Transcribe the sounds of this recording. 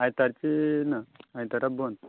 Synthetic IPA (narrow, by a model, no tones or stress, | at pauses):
ajt̪aɾt͡ɕinaajt̪aɾabond̪